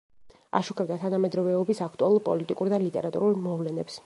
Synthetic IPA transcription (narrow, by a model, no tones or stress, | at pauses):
a̰ʃukʰɛb̚d̪at̪ʰanamɛd̪ɾɔvɛɔbisak̚ʰt̪ʼualˠuɾpʼɔ̰lit̪ʼikʼuɾd̪alit̪ʼɛ̰ɾat̪ʼṵɾulˠmɔvlɛnɛps